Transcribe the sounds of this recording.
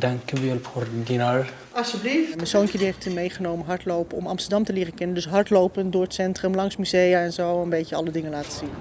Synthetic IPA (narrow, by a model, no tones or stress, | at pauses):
dɑŋkəʋɛlfordinar | ɑsəblifmɛsownkjədiɦejftymejχənowmənɦɑɹtlowpəɔ̰mɑ̰mstəɹdɑmtəlɪːrəkɛnəndɵsɦɑɹtlowpəndʊːɹətsɛntrəmlɑŋsmyzejaɛnzowənbejcəɑ̰lədɪŋəlaːtəz̥in